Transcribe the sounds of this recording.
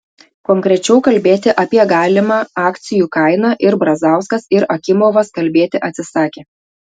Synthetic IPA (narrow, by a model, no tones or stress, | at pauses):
koŋkɾʲɛt͡ʃʲɛʊkɐlʲbʲeːt̪ʲɪʔɐpʲiɛɡɑːlʲɪmɑːɑːkt̪sʲɪjuːkɐɪnɑʔɪɾbɾɐzɑˑʊskɐsɪɾɐkʲɪmoːʋɐskɐlʲbʲeːt̪ʲɪʔɐt̪ʲsʲɪsɑːkʲeː